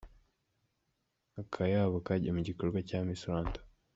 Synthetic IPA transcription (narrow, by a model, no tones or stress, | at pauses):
akʰajaβakaɟamuɟikoɾɡwacamisuɾaːntḁ